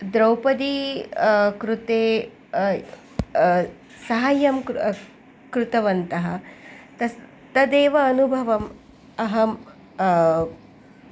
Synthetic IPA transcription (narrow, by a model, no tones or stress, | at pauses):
d̪ɾɐwpɐd̪i | kɾut̪eː | sɐɦɐjɐmk | kɾut̪ɐʋɐnt̪ɐɦɐt̪ɐ | t̪ɐd̪eːʋɐːnubʱɐʋɐm | ɐɦɐm